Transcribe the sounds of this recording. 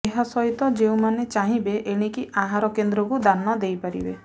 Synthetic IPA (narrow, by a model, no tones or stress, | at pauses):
eɦasɔjt̪ɔd͡ʒeũmanet͡ʃaɦĩbeʔeɽ̃ikiaɦaɾɔkend̪ɾɔkud̪anmad̪ejpaɾḭbḛ